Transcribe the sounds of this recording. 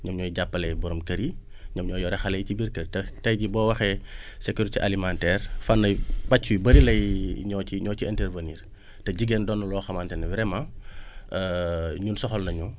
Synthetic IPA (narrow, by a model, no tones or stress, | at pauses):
ɲɐmɲɔːjɟapːɐlɛjbɔɾɔmkɐɾi | ɲɐmɲɔːjɔɾɛxɐlɐjcibiɾkɐɾitɛtɐjɟibɔwɐxɛsekuɾitiʔalimantɛrfanːɐjbacːubɐɾilɐjɲɔciɲɔːciɛntɛrvɐniːr | tɛɟiɡeːndɔnːɐlɔːxɐmaːntɛnɛvɾɛmã | ɲunsɔxɔlnɐɲu